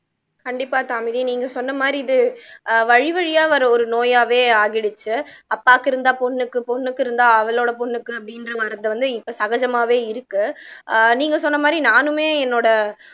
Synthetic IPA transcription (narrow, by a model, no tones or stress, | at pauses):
kɐɳɖɪpːaːt̪aːmɪðiniːŋɡɐsɔnːɐmaːd̪ɾiɪðɯʋɐɻɪʋɐɻɪjaːʋɐɾɔɾɯnoːjaːʋeːaːɣɪɽɯt͡ʃːɯɐpːaːkːɪɾɯnd̪aːpɔɳːɯkːɯpɔnːɯkːɪɾɯnd̪aːɐʋɐloːɽɐpɔnːɯkːɯɐpːɐɽɪnrɐʋɐɾɐt̪ːɯʋɐnd̪ɯɪpːɐːsɐɣɐd͡ʒɐmaːʋeːɪɾɯkːɯ | niːŋɡɐsɔnːɐmaːd̪ɾinaːnɯmeːɛnːoːɽɐ